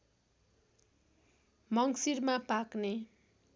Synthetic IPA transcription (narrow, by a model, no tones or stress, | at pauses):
mʌŋsiɾmapakne